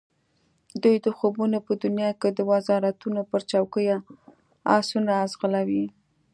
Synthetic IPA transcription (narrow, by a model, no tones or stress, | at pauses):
d̪ujd̪əxobunopəd̪ʊnjɑked̪əwazɑɾat̪unopəɾt͡ʃawkəja | ɑ̰sunaːzɣəlawi